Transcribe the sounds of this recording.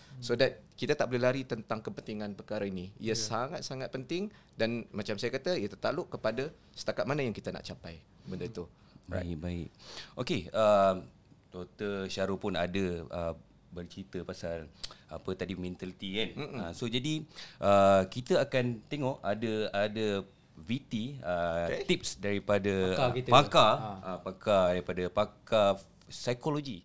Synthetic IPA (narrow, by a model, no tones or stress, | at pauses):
sodat̪̚kit̪at̪aʔbolɛlaɾit̪ənt̪aŋkəpənt̪iŋanpərkaɾainiḭjəsaŋat̪̚saŋat̪̚pənt̪ɪŋ | danmat͡ʃamsajakat̪aiat̪ərt̪aloʔkəpada | sə̥t̪akat̪̚manajaŋkit̪ana̰ʔt͡ʃapaj | bəndəit̪u | ba̰ɪ̰kbaɪʔʔokeə | t̪ot̪əʃaɾupʊna̰dəə | bərt͡ʃɾit̪əpasalapət̪adimɛ̃nt̪alit̪ikanasod͡ʒadiʔəkit̪əakant̪eŋɔʔadəadə | vit̪iət̪ip̚sdaɾipadəapakaapakadaɾipadəpaka | sajkoloɡi